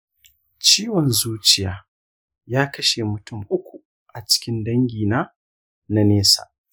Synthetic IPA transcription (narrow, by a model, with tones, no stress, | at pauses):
t͡ʃiː˦wɔ˨nzuː˦t͡ʃɪ˦˨jaː˨ | jaː˦kɐ˦ʃe˨mʊ˨tʊ˦˨mʔʊ˦kʷu˨ | ʔa˨t͡ʃɪ̥˦kʲɪ˦ndɐ˦ŋɡʲiː˨na˦ | na˦neː˦sa̰ː˨